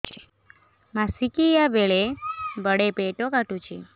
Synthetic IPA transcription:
mãsikijabeɭebəɽepeʈokaʈut͡ʃʰe

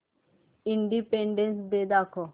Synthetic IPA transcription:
ɪɳɖipẽːɳɖẽnsb̪eːd̪aːkʰoː

